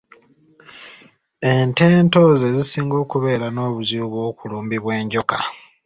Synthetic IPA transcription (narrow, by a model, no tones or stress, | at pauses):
e̞nte̞ːnto̞ze̞zisiːŋɡo̞ːkuβe̞ːɾano̞ːβuzuːβwo̞ːkuluːmbiβwe̞ːɲɟo̞ka